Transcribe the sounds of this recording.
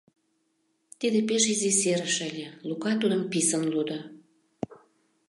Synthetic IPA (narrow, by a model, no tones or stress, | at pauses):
t̪id̪epeʃiziseɾəʃəlʲelukɑt̪ud̪əmpisənlud̪ə